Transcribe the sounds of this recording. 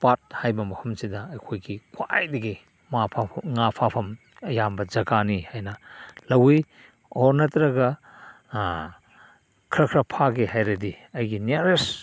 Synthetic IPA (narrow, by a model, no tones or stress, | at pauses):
pat̚hajbɐmɐhʰɐmsidɐɐjkʰojɡikʰwa̰jdɐɡi | mapʰaŋapʰapʰɐm | ɐjambɐd͡ʒɐɡanihajnɐlɐwi | oɾnɐtɾɐɡɐ | kʰɾɐkʰɾɐpʰaɡihajɾɐdi | ɐjɡineɾes